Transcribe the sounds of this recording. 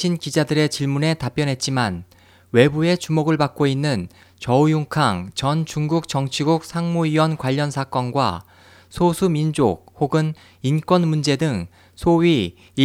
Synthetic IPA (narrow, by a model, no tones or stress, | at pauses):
inkid͡ʑadɯɾe̞t͡ɕiɭmune̞tap͈jʌnɦe̞t̚t͡ɕ͈iman | we̞bue̞t͡ɕumoɡɯɭpak̚k͈oinːɯn | t͡ɕʌujuŋkʰaŋt͡ɕʌnt͡ɕuŋɡuk̚t͡ɕʌŋt͡ɕʰiɡuk̚sʰaŋmuiwʌnkwaʎːʌnsʰak͈ʌnɡwa̰ | sʰosʰumind͡ʑok̚hoɡɯn | ink͈wʌnmund͡ʑe̞dɯŋ | sʰoɥi